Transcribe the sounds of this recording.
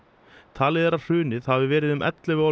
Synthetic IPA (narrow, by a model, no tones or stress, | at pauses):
t̪ʰaːlɪðɛɾḁr̥ʏːnɪðhavɪvɛːɾɪðʏmʔɛ̰t̪lɪvɪɔ